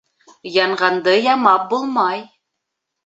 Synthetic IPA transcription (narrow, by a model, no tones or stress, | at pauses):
jɑɴʁɑnd̪ɤjɑmɑp̚bulˠmɑj